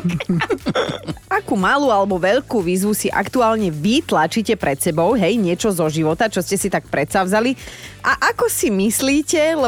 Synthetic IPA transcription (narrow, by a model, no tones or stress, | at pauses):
akumaluːalɛbɔʋɛʎkuːʋiːzʋusiʔa̰kt̪uaːlɲɛʋit̪lat͡ʃicɛpɾɛt̪sɛbɔʊɦɛjɲɪɛt͡ʃɔzɔʒiʋɔt̪at͡ʃɔscɛsit̪ak̚pɾɛt̪saʊzaliʔaʔakɔsimisliːcɛlɛ